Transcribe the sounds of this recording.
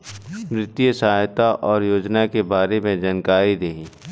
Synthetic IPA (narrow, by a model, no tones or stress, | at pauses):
mɾɪt̪ijəsɐɦajt̪aʔɔːɾjoːd͡ʒnakebaːɾemẽd͡ʒaːnkaːɾid̪eɦiː